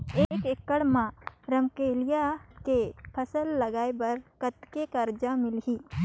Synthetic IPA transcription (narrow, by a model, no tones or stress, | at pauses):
ekekːəɽmãɾəmkeːlɪjakepʰəsəlːɐɡaːebɐɾkət̪kekəɾd͡ʒamɪlɦiː